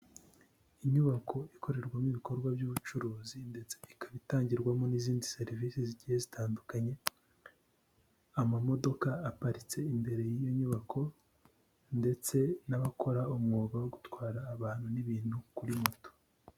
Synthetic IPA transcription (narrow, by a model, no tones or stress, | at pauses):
iɲuβakʰo̞ikʰo̞ɾe̞ɾɡwamiβiko̞ɾɡwabjuːβut͡ʃuɾuːzinde̞t͡se̞̥ikaβitaːɲɟiɾɡwamo̞niziːndise̞ɾiviːsiziɟihezitʰaːndukaɲe̞ | amamo̞do̞kaːpaɾit͡se̞imbe̞ɾe̞jijo̞ɲuβakʰo̞ | nde̞t͡se̞naβakʰo̞ɾaomŋoːɡawo̞ɡutwaːɾaːβaːn̥huniβiːn̥hukuɾimoto̥